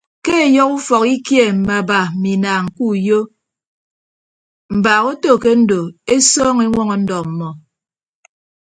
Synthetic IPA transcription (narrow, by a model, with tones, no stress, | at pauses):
ke˦e˨jɔ˦ku˦fɔ˨ki˦kje˦˨m̩˨ma˨ba˨mi˨naː˨ŋ̩˨ku˦˨jo˦ | m̩˨baː˨ɣo˦to˦˨ke˦n̩˦do˨e˦sɔː˦ŋe˦ŋʷɔ˦ŋɔ˨n̩˦dɔ˨m̩˨mɔ˨